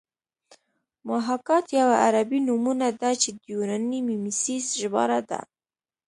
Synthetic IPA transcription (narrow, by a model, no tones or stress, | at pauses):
maɦakɑt̪jawaʔaɾabinumunad̪at͡ʃed̪juɾanimimisisʒbɑ̰ɾad̪a̰